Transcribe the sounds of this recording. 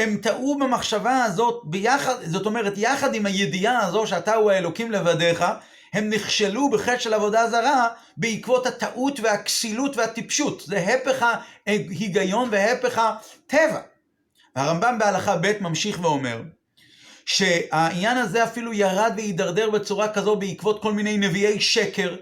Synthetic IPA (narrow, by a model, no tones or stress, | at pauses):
he̞mt̪aʔubemaχʃavaːzo̞t̪̚bejaχadzo̞to̞meʁetjaχad̪imhaje̞diaːzo̞ʃeatauaelo̞kimle̞vade̞χa | he̞mniχʃelubeχetʃelavo̞dazaʁa | beikvo̞that̪aʔutvehaksilutvehatipʃutzeɦepe̞χahiɡajo̞nveɦe̞peχatʰe̞va | veaʁambambealaχabe̞tmamʃiχveo̞me̞̰ʁ | ʃe̞ainjanaze̞afilujaʁadveid̪aʁd̪e̞ʁbe̞t͡suʁakazo̞tbeikvo̞t̪̚ko̞lminejne̞vie̞jʃe̞ke̞ʁ